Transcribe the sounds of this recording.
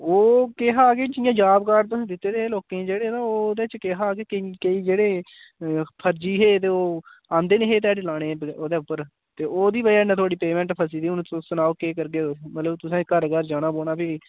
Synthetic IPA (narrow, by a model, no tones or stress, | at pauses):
oːkeɦaːkeːd͡ʒɪjãːd͡ʒaːbkaːɾt̪ːd̪ɪt̪ːeːd̪eːeːloːkẽːd͡ʒeːɽeːt̪ãːoːd̪eːt͡ʃkeɦaːkeːkikəiːd͡ʒeːɽeː | pʰəɾd͡ʒiːɦeːt̪eːoːãːnd̪eːnẽːɦeːt̪ɛːɖlaːɽ̃eːboːd̪eːʊpːəɾ | t̪eːoːd̪iːbəaːnɛ̃t̪oaːɽiːpeːmɛ̃ːɳʈpʰəs̬iːd̪iːʊñːsənaːoːkeːkəɾɡeːmət̪ləbt̪ʊsẽːkəɾɡəɾd͡ʒaːñaːboːɽaːpiː